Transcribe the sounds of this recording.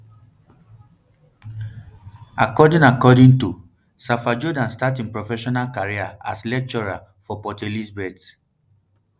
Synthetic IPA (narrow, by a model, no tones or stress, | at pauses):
akɔdĩŋakɔdĩŋtu | safad͡ʒɔdãnstatĩŋpɹɔfɛʃɔnalkaɹiaa̰slɛk̚t͡ʃɔɹa̰ | fɔpɔtelisbɛd